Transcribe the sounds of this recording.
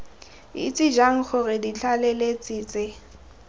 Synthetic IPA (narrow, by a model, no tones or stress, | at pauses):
ɪ̰t͡sʼɪd͡ʒaŋ̩χʊrɪdit͡ɬʰʼalɛlet͡sʼiːt͡sʼɪ